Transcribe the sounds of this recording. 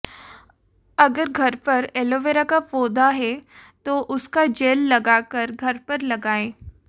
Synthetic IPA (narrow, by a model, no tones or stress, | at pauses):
ɐɡəɾɡʱɐɾpɐɾɛːloːʋeːɾakapoːd̪aɦɛt̪oʔʊskad͡ʒeːlːɐɡaːkɐɾɡʱɐɾpɐɾlɐɡaːeː